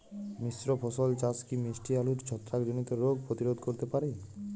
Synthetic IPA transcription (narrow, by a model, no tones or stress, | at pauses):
misɾopʰɔsolt͡ɕaskimisʈialuɾt͡ɕʰɔt̪ːɾakd͡ʑonit̪eɾoɡ̚pɾot̪iɾod̪ʱkoɾt̪epaɾe